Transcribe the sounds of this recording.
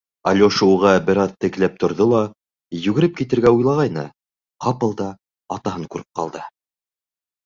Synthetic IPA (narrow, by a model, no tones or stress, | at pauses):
ɑ̰lʲoʃuʁɑbɘ̆ɾɑðt̪ɘ̆k̆læp̚t̪ʰŏɾðolˠɑ | jʉɡɘ̆ɾɘp̚kit̪ɘ̆ɾɡæujlˠɑʁɑjnɤ̰ | qɑpɤ̆lˠd̪ɑː | t̪ɑhɤŋkʉɾɘ̥p̚qɑ̰lˠd̪ɤ